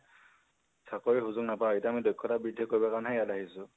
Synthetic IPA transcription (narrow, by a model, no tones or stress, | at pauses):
sʰakɔɹiɦuzʊknapaoejtaːmidɔjkʰːɔtabɹidʱːɔkoɹibakaɹnɦɛjadaɦisʊ